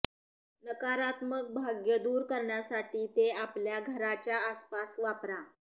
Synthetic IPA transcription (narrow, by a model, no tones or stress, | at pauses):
nəkaɾat̪mək̚bʱaɡjəd̪uːɾkəɾɳjasaʈiːt̪eapljaɡʱəɾat͡ɕjaːspasʋapɾa